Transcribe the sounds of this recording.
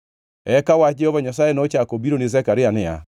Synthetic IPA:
ɛkawad͡ʒɛhɔβaɲas̬aenaot͡ʃakobiɾonezɛkaɾeanea̰

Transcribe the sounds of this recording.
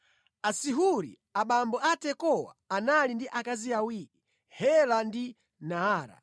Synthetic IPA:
asiɦuɾḭ | aɓambɔatɛkɔwa̰ːnalindiʔakaziawiːki | hɛlandi | naaːɾa̰

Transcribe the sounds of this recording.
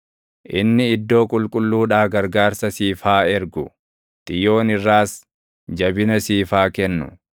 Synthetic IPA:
ʔɪnːɪɪd̪ːo̞ːkʼʊlkʼʊlːuːᶑaːɡɐɾɡaːɾsɐsiːfaːɛɾɡʊ | t̪ʼɪjo̞ːnɪrːaːs | d͡ʒɐbɪnɐsiːfaːkɛnːʊ̰

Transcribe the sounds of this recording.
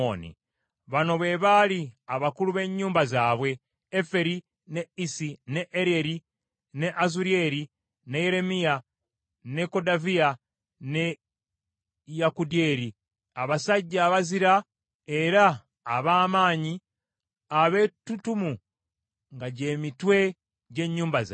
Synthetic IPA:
onḭ | βano̞βe̞βaliaβakuluβe̞ɲːuːmbazaːβwe̞ː | fe̞ɾi | ne̞isine̞ʔːɾeɾi | ne̞ʔazuɾie̞ɾi | ne̞je̞ɾe̞mija | ne̞ko̞davia | ne̞ | jakudie̞ːɾi | aβasaɟːaːβaziɾa | e̞ɾaː | βaːmaːɲi | aβe̞ːtutumu | ŋɡaɟe̞ːmitwe̞ | ɟe̞ɲːuːmbaz

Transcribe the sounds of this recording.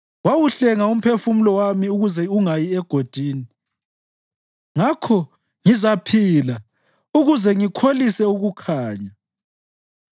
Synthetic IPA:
wawuɬɛŋaum̩pʰefum̩lɔwamiuɣuzɛuŋajiɛɡ̥ʱod̥ʱiːni | ŋakʰɔ | ŋizapʰila | uɣuzɛŋikʰolisɛuɣukʰaːɲa

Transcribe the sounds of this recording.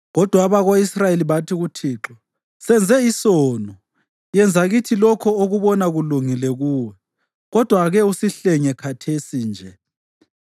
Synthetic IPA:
ɣɔd̥ʱwaβaɣoisrajeliβatʰiɣutʰiːǁɔ | sɛnd͡zʱɛisɔːnɔ | jɛnd͡zʱaɣitʰilɔkʰɔoɣuβɔnaɣuluŋilɛɣuːwɛ | ɣɔd̥ʱwaɣɛusiɬɛɲɛkʰatʰesind͡ʒʱɛ

